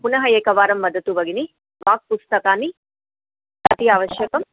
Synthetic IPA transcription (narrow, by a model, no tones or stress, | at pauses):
punɐɦɐeːkɐʋaːɾɐmːɐd̪ɐt̪uʋɐɡini | ʋaːk̚pust̪ɐkaːni | ɐt̪ijaːʋɐʃjɐkɐm